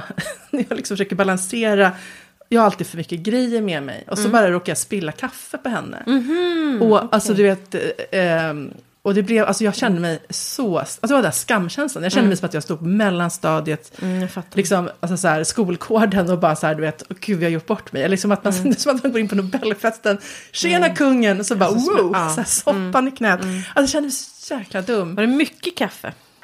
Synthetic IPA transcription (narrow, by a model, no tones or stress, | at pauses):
næjɑːɡlɪksɔmfœʂøːkt̪əbalanseːɾa | jɑːhaalt̪iːd̪̥fœɾmʏkːəɡɾɛjːəɾmɛmɛ̰jɔsɔbɑːɾaɾoːkajaspɪlːakʰafːəpɔɦɛnːə̰ | ɔalsɔd̪ɵveːt̪ | ɔd̪ɛblɛva̰lsɔjɑːɡɕɛnd̪əmɛjsɔalsɔd̪ɛaɾdɛnæʂkamːɕɛnslanjɑːɕjɛnd̪əmɛjsɔmat̪jɑːɡst̪uːd̪pʰɔmɛlːanst̪ɑːd̪ɪət̪flɪksɔmalsɔsæːɾskuːlkʰoːɖənɔbɑːɾasahæːɖ̪ɵveːt̪ɔɡʉvɪhaɾjʊʈːbɔʈːmɛjɛlːlɪksɔmat̪manɛnd̪sɔmat̪manɡoːɾɪnpɔnʊbɛlːfɛst̪ənɕeːnakʰɵŋːənɔsɔbɑːwosæːsɔpːanɪkʰnɛːt̪asdj̪ɛɕɛnd̪əmɛsɔ̥jæːklad̪ɵmːvɾɛmʏkːəkʰafə̰